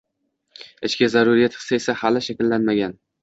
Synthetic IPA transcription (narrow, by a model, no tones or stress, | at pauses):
ɪt͡ʃkʲazaɾʊɾijat̪ʰɨ̥saesahalɪʃakʲɪlːanmaɡʲan